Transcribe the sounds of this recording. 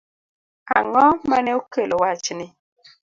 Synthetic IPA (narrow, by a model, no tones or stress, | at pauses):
a̰ŋɔmanɛukelɔwat͡ʃnɪ